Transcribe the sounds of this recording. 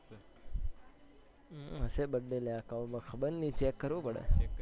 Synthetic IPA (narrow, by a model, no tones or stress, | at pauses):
ɦəsebəɖːeleakaʋumə̃kʰəbəɾnit͡ʃekːəɾʋũpəɽḛ